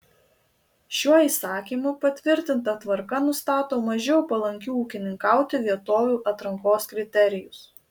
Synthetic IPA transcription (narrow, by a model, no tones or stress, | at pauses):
ʃʲuɔiːsɑːkʲiːmʊpɐt̪ʲʋʲɪɾʲt̪ʲɪnt̪ɐt̪ʋɐɾkɐnʊst̪ɑːt̪oːmɐʒʲɛʊpɐlˠɐŋʲkʲuːuːkʲɪnʲɪŋkɑˑʊt̪ʲɪʋʲiɛt̪oːʋʲuːʔɐt̪ɾɐŋkoːskɾʲɪt̪ʲɛɾʲɪjʊs